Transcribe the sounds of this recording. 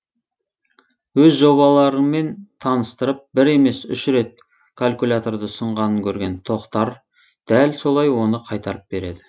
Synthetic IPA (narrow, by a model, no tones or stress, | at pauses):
wɵzʒo̞βɑlˠɑɾəme̞nt̪ʰɑnəst̪əɾəp̚bɪɾe̞me̞sʏ̰ʃɾe̞t̪̚ | kʰalʲkulʲat̪o̞ɾd̪əsəɴʁɑnəŋkʲʰɵɾɡʲe̞nt̪ʰo̞qt̪ɑɾ | d̪̥ælso̞lˠɑjwo̞nəqʰɑjt̪ɑɾəp̚be̞ɾe̞d̪ɪ